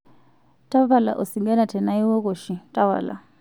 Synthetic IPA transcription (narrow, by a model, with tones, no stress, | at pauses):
tʼa˦va˦˨la̰˨ʔu˨si˨ŋɡa˦na˨tʰɛ˨na˦i˦wɔ˦ko˨ʃi˨tʼa˦βa̰˨la̰˨